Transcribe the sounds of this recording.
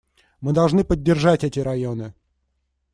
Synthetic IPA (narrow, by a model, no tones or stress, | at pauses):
mɨd̪ɐlˠʐnɨpədʲːɪrʐatʲɛtʲɪɾɐjonɨ